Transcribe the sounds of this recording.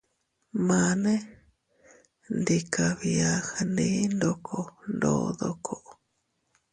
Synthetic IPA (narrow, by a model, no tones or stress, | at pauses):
mane | nd̪ikaβiaxndindokʰondo̰d̪okʰoʔ